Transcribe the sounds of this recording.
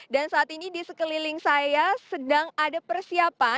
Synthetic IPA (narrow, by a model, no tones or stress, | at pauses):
dansaʔːt̪inidisəkəlilɪŋsajasədaŋadapərsiapa